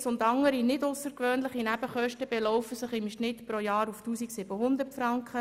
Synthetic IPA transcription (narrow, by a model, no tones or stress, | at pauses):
sʊndɑŋːəɾinɪdʊsəɾkʋøːnlɪχinæb̥əχœʃtəb̥ɛlɔʊfəsɪχɪmʃnɪt̪pɾojɑːɾuftuːsiksɪbəɦʊnd̪ərtfɾɑŋkχə